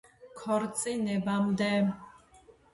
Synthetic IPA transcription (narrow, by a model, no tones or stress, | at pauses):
kʰɔɾt̪sʼinɛbamd̪ɛ